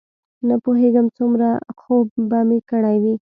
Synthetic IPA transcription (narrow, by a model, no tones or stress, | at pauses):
napoɦeɡəmt͡sumɾaxobːɑmikəɽajwi